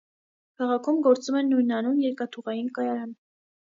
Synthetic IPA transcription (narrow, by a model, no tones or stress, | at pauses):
kʰɑʁɑkʰumɡɔɾt͡sumɛnːujnɑnunjɛɾkɑt̪ʰuʁɑjinkɑjɑɾɑn